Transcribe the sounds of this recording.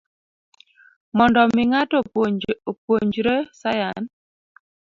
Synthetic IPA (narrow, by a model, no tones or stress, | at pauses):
mɔndɔmiŋatoopwoɲd͡ʒɾesajan